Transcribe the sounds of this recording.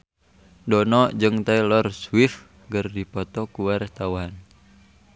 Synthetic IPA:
dɔnɔd͡ʒɨŋt̪ailɔrswif | ɡərdipɔt̪ɔkuwaɾɛht̪awaɦan

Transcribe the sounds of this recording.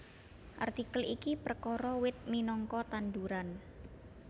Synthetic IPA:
ʔa̰rt̪ikəlikipərkɔɾɔwɪt̪̚minɔŋkɔt̪and̪uɾan

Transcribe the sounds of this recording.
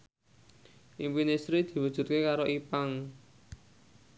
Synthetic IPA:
ʔimpinesɾid̪̥i̤wud̥ʒ̥ṳt̪̚kekaɾoʔipaŋ

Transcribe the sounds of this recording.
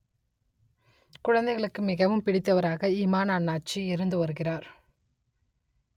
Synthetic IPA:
kʊɻɐnd̪ɛɪɣɐɭɯkːɯmɪɣɐʋɯmpɪɽɪt̪ːɐʋɐɾaːɣɐiːmaːnaːɳːaːt͡ʃːiɪɾɯnd̪ɯʋɐɾɯɣɪraːɾ

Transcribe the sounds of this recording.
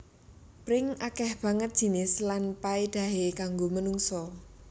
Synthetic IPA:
pɾɪŋakɛhb̥a̤ŋət̪̚ʒ̥i̤nɪslanpaed̪̥ä̤ɦekaŋɡomənuŋsɔ

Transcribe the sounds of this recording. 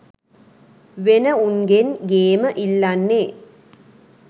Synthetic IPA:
ʋenɐunɡenɡeːməʔilːanːeː

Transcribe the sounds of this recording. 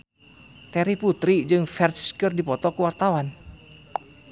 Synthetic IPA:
t̪ɛɾiput̪ɾid͡ʒɨŋfɛrskɨrdipɔt̪ɔkuwart̪awan

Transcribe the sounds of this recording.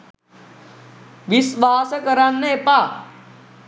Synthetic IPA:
ʋisʋaːsəkəɾanːepa

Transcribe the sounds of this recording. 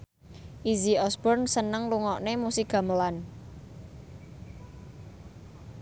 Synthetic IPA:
ʔiziɔsbɔrnsənəŋluŋɔʔnemusiɡ̥a̤məlan

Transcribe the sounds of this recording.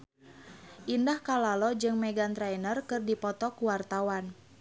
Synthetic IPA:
ʔindahkalalɔd͡ʒɨŋmɛɡant̪ɾajnərkɨrdipɔt̪ɔkuwart̪awan

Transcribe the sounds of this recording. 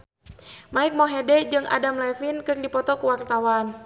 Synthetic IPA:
maik̚mɔɦɛdɛd͡ʒɨŋʔa̰damlɛfinkɨrdipɔt̪ɔkuwart̪awan

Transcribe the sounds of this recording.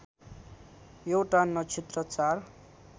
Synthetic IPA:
jewʈanʌt͡sʰet̪rʌt͡sar

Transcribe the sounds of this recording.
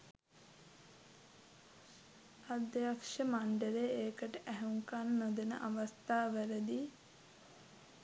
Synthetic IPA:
ad̪akʃəmaɳɖəɾeeːkəʈəʔæɦuŋkanːod̪enə̰ʔaʋɐst̪ʰaːʋæɾəd̪i

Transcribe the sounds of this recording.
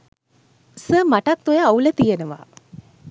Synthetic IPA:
səːmaʈak̚t̪ujaːulət̪ijenəʋa̰ː

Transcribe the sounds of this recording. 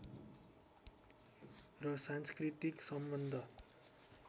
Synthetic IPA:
rʌsanskrit̪iksʌmbʌnd̪ʱʌ

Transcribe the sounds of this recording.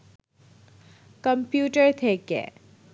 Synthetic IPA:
kəmpjuːʈəɾt̪ʰekḛ

